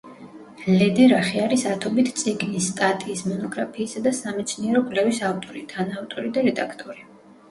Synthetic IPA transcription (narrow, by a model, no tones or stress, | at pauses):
lɛd̪ɛɾaχiaɾisat̪ʰɔbit̪ʰt̪sʼiɡnisːt̪ʼat̪ʼiːsmɔnɔɡɾapʰiːsad̪asamɛt̪sʰniɛɾɔpʼlɛvisavt̪ʼɔɾit̪ʰanaːvt̪ʼɔɾid̪aɾɛd̪akʰt̪ʼɔɾi